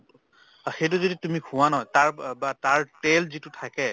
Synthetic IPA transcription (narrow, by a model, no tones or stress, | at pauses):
axejt̬uzoditumikʰũwanɔtaɹbataɹtelzitʊtʰakɛ